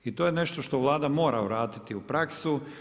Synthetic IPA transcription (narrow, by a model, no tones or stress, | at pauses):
it̪oːjene̞ʃt̪oʃt̪oʋlˠaːd̪amo̞ːɾauɾaːt̪it̪iupɾaksu